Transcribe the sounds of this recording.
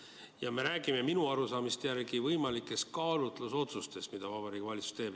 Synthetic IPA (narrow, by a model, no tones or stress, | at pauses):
jɑme̞ɾæːɡ̥ime̞minuɑɾusɑːmist̪jæɾɡivɤjmɑlikːˑe̞skɑːlut̪ˑluso̞t̪sust̪e̞st̪mid̪̥ɑvɑbɑɾikvɑlʲit̪su̥st̪e̞ːb̥